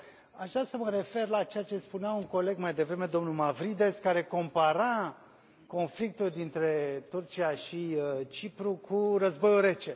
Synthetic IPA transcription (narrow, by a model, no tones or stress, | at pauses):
aʒd̪ɾasəməɾe̞fe̞rlat͡ʃejat͡ʃe̞spuneauŋko̞le̞ɡmajd̪e̞vɾe̞me̞d̪o̞mnumavɾid̪e̞skaɾe̞ko̞mpaɾa | ko̞nflik̚t̪uld̪int̪ɾe̞t̪urt͡ʃiaʃiət͡ʃipɾukʰurəzbo̞juɾe̞t͡ʃe̞